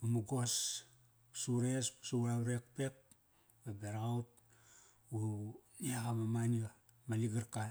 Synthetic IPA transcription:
mamuɡos | usuɾespu̥suaɾek̚pek̚ | babeɾaut̚ | uniakamamanio | maliɡaɾka

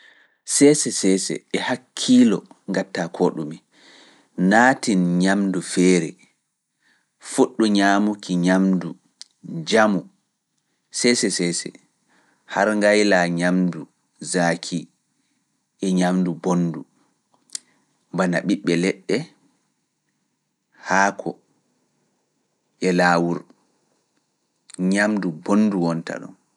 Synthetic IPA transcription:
sɛsɛsɛːsɛ̰ɛhakʰːiːlɔŋɡatːakʰoɗumi | naːtinɲamdufɛːɾɛ | fuɗːuɲamukʰiɲamdu | d͡ʒamu | sɛsɛsɛsɛ̰ | haɾŋɡajlaɲamdu | zakʰi | ʔɛɲamdubonːdu | mbanaɓiɓːɛlɛɗːɛ | haːkʰɔ̰ | ʔɛlaːwuɾ | ɲamdubonduwɔnta̰ɗɔ̰n

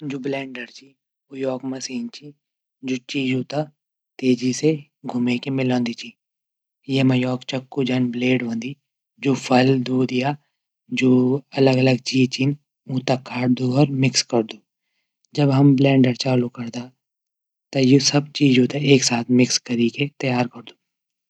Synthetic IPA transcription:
d͡ʒoːblɛ̃ːɳɖəɾt͡ʃʰi | ojɔːkmɐsiːnt͡ʃʰi | d͡ʒoːt͡ʃiːd͡ʒɦoːt̪a | t̪eːd͡ʒise | ɡʱʊmekemɪlõːnd̪it͡ʃʰiː | jemɐjɔːkt͡ʃɐkːud͡ʒaːnbleːɖʋə̃ːnd̪i | d͡ʒoːfʰɐld̪uːd̪ja | d͡ʒoːɐləɡɐləɡt͡ʃiːt͡ʃiːn | ũːt̪akʰaːɽd̪oɔːɾmɪkskɐɾd̪uː | d͡ʒɐbɦɐmblɛ̃ːɳɖəɽt͡ʃaːlukɐɾd̪a | t̪ɐjusɐb̚t͡ʃiːd͡ʒɦuːt̪aeːksaːt̪ʰmɪkskɐɾiket̪ɐjaːɾkɐɾd̪u̥ː

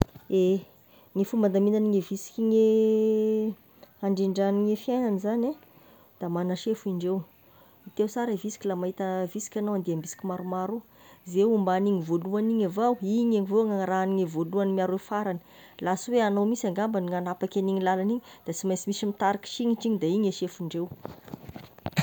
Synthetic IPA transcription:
e | ŋefumband̪aminaniŋevisi̥kʲiŋe | aɳɖ͡ʐiɳɖ͡ʐaniŋefjajnanizana | d̪̥amanaʃefuiɳɖ͡ʐew | it̪ewsaɾavisi̥kʲilamaɦit̪əvisi̥kʲanawand̪eambisi̥kimaɾumaɾu | zeumbaniɲivoluaniɲavawiɲeŋivoŋaɾaːniŋevoluanimiaɾefaɾanə̥ | lasweanowmisaŋɡambaniŋanapakʲaniɲilalaniɲid̪̥at͡simajsimisimit̪aɾiki̥ʃiɲiʈ͡ʂiɲid̪aiɲeʃefiɳɖ͡ʐew

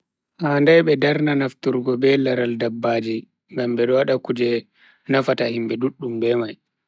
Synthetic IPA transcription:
handajɓɛdaɾnanaftuɾɡɔbɛlaɾaldabːaːd͡ʒi | ŋɡambɛɗɔwaɗakud͡ʒɛ | nafatahimbɛduɗːumbɛmaj

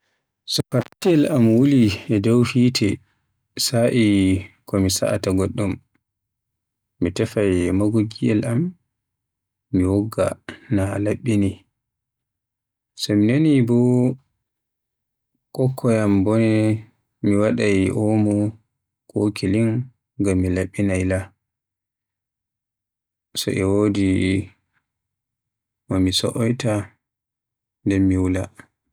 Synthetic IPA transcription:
sɔfaɾkiɛlamwuliɛdawhiːtʰɛ | saʔikɔmisa̰ʔa̰taɡɔɗːum | itɛfajmaɡoɡiɛlʔam | iwɔɡːa̰nalaɓːini | sɔminonibɔ | kɔkʰːɔjambɔnɛ | miwaɗajʔomu | kʼokʰiliŋ | ɡamːilaɓːinajla | sɔ̰ʔɛwoːdi | mɔmisɔʔɔjta | ndɛmːiwula

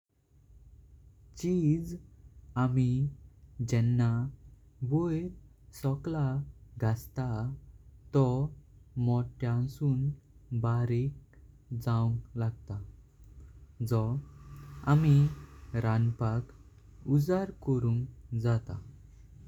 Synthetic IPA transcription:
t͡ɕid͡z | ami | d͡ʑɛnːa | bojɾ | sɔklaɡʱast̪a | t̪ɔ | mɔʈjãsuːn | baɾek̚ | d͡zaũŋɡlaɡ̚t̪a | d͡zɔ | a̰miɾanpak | ud͡zaɾkɔɾũŋɡd͡zat̪a̰

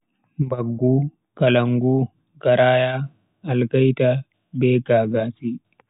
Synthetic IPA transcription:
bɐɡːuː | kɐlɐŋɡuː | ɡɐɾaːjaː | ɐlkɐjt̪ɐ | beːkaːɡaːsiː

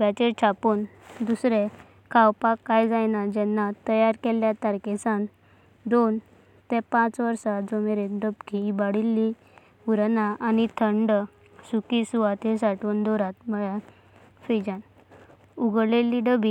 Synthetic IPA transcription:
bɛt͡ɕeɾt͡ɕʰapuːnd̪usɾe | kʰawpakːajd͡zajnad͡ʑɛnːat̪əjaɾkɛljat̪əɾkesan | d̪on | t̪ɛ̃pãt͡sʋəɾsad͡zomeɾeɖəbkibaɽilːi | uɾnaʔanit̪ʰəɳɖ | sukisuʋat̪esaʈuːnd̪ɔɾat̪məɭja | fed͡ʑan | uɡlelːiɖəbi

